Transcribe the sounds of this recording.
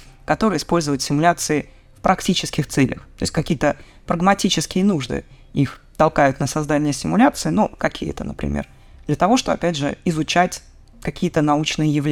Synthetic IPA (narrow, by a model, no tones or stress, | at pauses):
kɐt̪o̞ɾɨjəɪspo̞lʲzəvəjʊt̪ʲsʲɪmʊlʲat̪sɨɪ | fpɾɐktʲit͡ɕɪskʲɪxt̪sɛlʲə̰xt̪o̞ɪsʲtʲkɐkʲijət̪ə | pɾəɡmɐtʲit͡ɕɪskʲɪjənuʐd̪ɨ̰ | ixt̪ɐlˠkajʊt̪nəsɐzd̪anʲɪjəsʲɪmʊlʲat̪sɨɪnukɐkʲʰijə̰t̪ənəpɾʲɪ̰mʲḛr | d̪̥lʲət̪ɐvo̞ʂt̪o̞bəɐ̰pʲædʲʐɨ̰ɪzʊt͡ɕætʲ | kɐkʲijət̪ənɐut͡ɕnɨjəjɪvlʲ